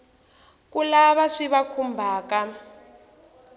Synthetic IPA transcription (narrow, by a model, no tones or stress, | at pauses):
kulaβaʂiβakʰumbʱaːka